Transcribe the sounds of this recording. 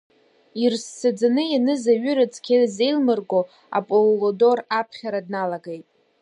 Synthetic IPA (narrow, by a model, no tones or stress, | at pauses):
irst͡sʰad͡zanɨjanɨzaɥʏɾɨt͡sʰʼkʲʰeze̞jlmɨrɡo̞ | a̰pʼollodo̞rapʰχʲaɾadnalaɡejtʼ